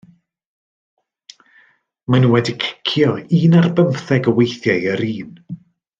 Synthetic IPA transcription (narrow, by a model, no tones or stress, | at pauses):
manunwɛdikʰɪ̥kʰjɔiːnarbəmθɛɡəwejθjajəɾiːn